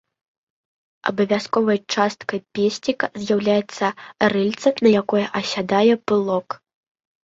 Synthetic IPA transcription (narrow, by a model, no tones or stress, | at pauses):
ɐ̰bɐvʲaskɔvɐjt͡ʂast̪kɐjpʲesʲnʲikɐzʲjawlʲajɛt̪sːɐrɨlʲt̪sɐnɐjakɔjɛʔɐsʲad̪ajɛpɨlˠɔk